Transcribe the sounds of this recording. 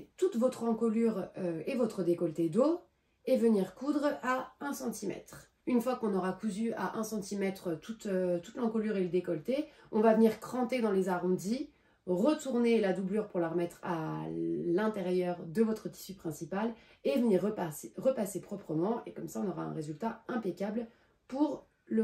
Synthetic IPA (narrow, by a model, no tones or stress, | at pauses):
t̪ut̪vɔt̪χɑ̃kɔlyʁøevɔt̪χəd̪ekɔlt̪ed̪o | evəniʁkud̪ʁaɛ̃sɑ̃t̪imɛ̰t̪χ | ynfwakɔ̃nɔʁakuzyaʔɛ̃sɑ̃t̪imɛt̪χət̪ut̪øt̪u̥t̪lɑ̃kɔlyʁeləd̪ekɔlt̪e | ɔ̃vavəniʁkχɑ̃t̪ed̪ɑ̃lezaʁɔ̃d̪i | ʁət̪uʁnelad̪ublyʁpuʁlaʁəmɛt̪χa̰ | lɛ̃t̪eʁjœʁd̪əvɔt̪χət̪i̥sypχɛ̃sipal | evəniʁʁəpasepχɔpχəmɑ̃ekɔmsaɔ̃nɔʁaɛ̰̃ʁezylt̪aɛ̃pekʲabl | puʁ | lə